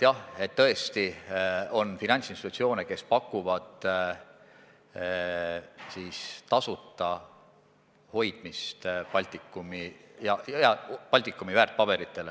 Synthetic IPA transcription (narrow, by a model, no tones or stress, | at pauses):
jɑhe̞t̪ːɤ̞e̞st̪io̞nfinɑnʲtsinst̪it̪ut̪sio̞ːneke̞spɑkˑːuvɑd̪̥ | siːst̪ɑsut̪ːˑɑ | ho̞jd̪̥mist̪pɑlʲt̪ˑikːˑumijɑjɑpɑlʲt̪ikːˑumivæːrt̪̚pɑb̥e̞ɾit̪ːˑe̞le